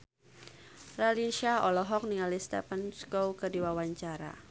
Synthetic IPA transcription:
ralinʃiaɔlɔɦɔk̚niŋalist̪ɛ̰panskowkədiwawaɲt͡ʃaɾa̰

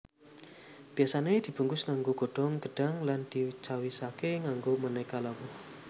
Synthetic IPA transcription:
b̥iasaned̥̪i̤b̥uŋɡʊsŋaŋɡoɡ̥o̤ɖ̥ɔŋɡ̥əɖ̥aŋland̪̥iut͡ʃawisakeŋaŋɡomənɛkalawɔh

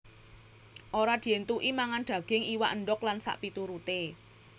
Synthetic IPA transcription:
ʔoɾad̪̥i̤ent̪uʔimaŋanɖ̪̥ä̤ɡ̥ɪŋiwaʔənɖɔklansa̰ʔpit̪uɾut̪e

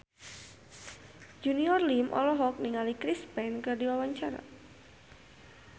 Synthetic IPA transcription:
d͡ʒuniɔrlimʔɔ̰lɔɦɔk̚niŋalikɾispɛnkɨrdiwawaɲt͡ʃaɾa̰

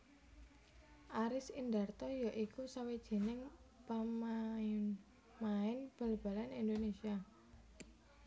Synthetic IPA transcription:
ʔaɾɪsind̪art̪ɔjaʔikusawed̥ʒ̥e̤nɪŋpaman | maɪnb̥ə̤lb̥a̤lanind̪onesia

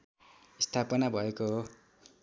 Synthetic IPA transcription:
ist̪ʰapʌnabʱʌeko

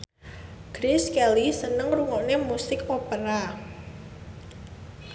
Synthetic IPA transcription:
ɡ̥ɾɪskɛlisənəŋruŋɔnemusɪkopəɾa

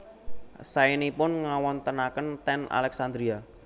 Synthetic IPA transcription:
sainipʊnŋawɔnt̪ənakənt̪ɛna̰lɛksand̪ɾia

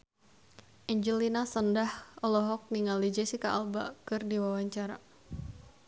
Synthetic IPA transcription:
ʔiɲd͡ʒəlinasəndahɔlɔɦɔk̚niŋalid͡ʒɛsikaʔːlba̰kɨrdiwawaɲt͡ʃaɾa

